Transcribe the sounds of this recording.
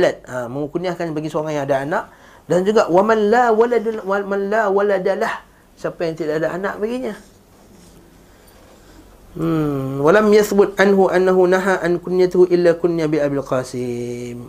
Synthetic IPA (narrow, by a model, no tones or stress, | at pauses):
lat̪̚aməŋukuniahkanbaɡisoaŋaŋjaŋadaanaʔ | dand͡ʒuɡaʔwamanlawaladmanlawaladalah | sapajaŋt̪idaʔadaʔanaʔbaɡiɲa | walamjaθbʊt̪̚ʔanɦuʔanːaɦunaɦaʔankʊnijat̪ahuʔɪlːakʊnjabiʔabilqasɪm